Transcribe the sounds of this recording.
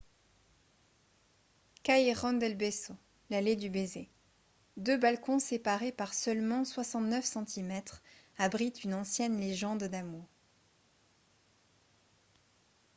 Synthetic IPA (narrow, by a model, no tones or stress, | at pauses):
kaeʁɔ̃nd̪ɛlbeso | laled̪ybeze | d̪øbalkɔ̃sepaʁepaʁsœlmɑ̃swasɑ̃t̪nœfsɑ̃t̪ʰimɛt̪χabʁit̪ynɑ̃sjɛnleʒɑ̃d̪d̪amuʁ